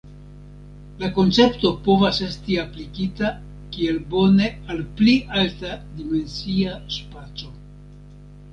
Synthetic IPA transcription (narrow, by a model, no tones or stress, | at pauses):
lako̞nt͡se̞pto̞po̞vase̞stiaplikita | kie̞lbo̞ne̞alpliʔaltadime̞nsiaspat͡so̞